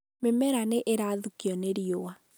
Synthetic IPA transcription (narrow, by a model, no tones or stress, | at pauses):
memɛɾaneʔeɾaðukiɔneɾiowa